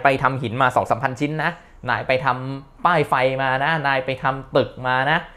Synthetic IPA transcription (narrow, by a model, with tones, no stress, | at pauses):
jpa˧jt̪ʰa˧mhi˩˦nmaː˧sɔː˩˦k̚sa˩˦mpʰa˧nt͡ɕʰi˦˥nːa˦˥ʔ | naː˧jpa˧jt̪ʰa˧mpaː˥˩jfa˧jmaː˧na˦˥naː˧jpa˧jt̪ʰa˧mt̪ɯ˨˩k̚maː˧na˦˥ʔ